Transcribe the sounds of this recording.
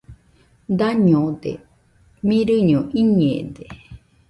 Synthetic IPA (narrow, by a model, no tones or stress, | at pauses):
d̪aɲõd̪ḛ | mĩɾɨɲõʔiɲḛ̃d̪e